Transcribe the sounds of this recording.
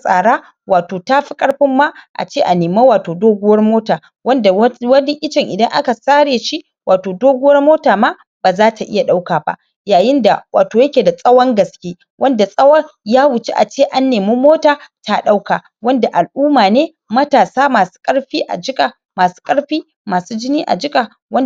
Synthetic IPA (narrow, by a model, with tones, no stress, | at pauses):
sʼa̰ː˨ɽaː˦ | waː˨toː˨taː˦ɸi˦kʼɐ˦ɽɸɪ˦mːa˦ʔa̰˨t͡ʃeː˦ʔa˨neː˨ma˦waː˨toː˨doː˦ɡʷʊ˦wɐ˦rmoː˦taː˨ | wɐ˦nda˨˦wɐ˦dɛ˦ʔɪ˦t͡ʃɪ˨ŋʔɪ˨dɐ˦ŋʔa̰˦ka˨saː˦ɽeː˨ʃi˦ | wʔaː˨toː˨doː˦ɡʷʊ˦wɐ˦rmoː˦taː˨ma˦ | b̥aː˨zaː˦tʰa˨ʔɪ̰˦ja˨ɗa˦wkaː˨ba̰˦ʔ | jaː˨jɪ˦nda˨wa̰ː˨toː˨jɐ˦kʲeː˨da˨sʼɐ˦wɐ˦ŋɡɐ˨skʲeː˦ | wʔɐ˦nda˨sʼɐ˦wɐ˦ŋjaː˦wʊ˨t͡ʃe˦ʔa̰˨t͡ʃeː˦ʔa˦nːeː˨miː˦moː˦taː˨tʰa˦ɗa˦wkaː˨ | wɐ˦nda˨ʔa˨lʔuː˦maː˨neː˦ | mɐ˦taː˨saː˦maː˨su̥ː˦kʼɐ˦ɽɸiː˦ʔa̰˨d͡ʒɪ˦kʼa˨ | maː˨su̥ː˦kʼɐ˦ɽɸiː˦ | maː˨suː˦d͡ʒɪ˦niː˦ʔa̰˨d͡ʒɪ˦kʼa˨ | wɐ˦n